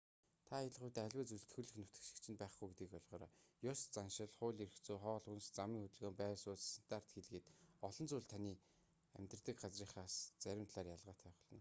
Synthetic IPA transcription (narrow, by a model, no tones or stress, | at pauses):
t̪ʰaeɮ̆χʊt̪æɮʲwɘːt͡suɘ̆ɬt̪xŭɮɘ̆xnʊt̪ɡɘ̥̆kʃɪ̥̆kt͡ɕʰɪ̆npæːχɡujɡet̪eːkɔɮʁɔːɾa̰ːjʊrst͡sanʃɪ̆ɮχʊːɮiɾɘ̆xt͡soːχɔːɮxunst͡samiːŋxɵt̪ɘ̆ɮɣoːmpæːwsʊːt͡ssn̥t̪ar̥t̪xeɮɣeːt̪ɔɮɞ̆nt͡sʊːɮt̪ʰaniː | æ̰mʲt̪rt̪ɘ̆kɢat͡sriːχaːst͡sæɾʲɪ̆mt̪ɮaːrjaɮʁaːt̪ʰæːχɞ̆ɮɞ̆n